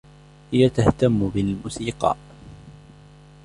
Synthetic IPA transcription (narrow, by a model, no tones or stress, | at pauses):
hɪjat̪aht̪amːʊbɪlmʊsiːqɑ̰ːʔ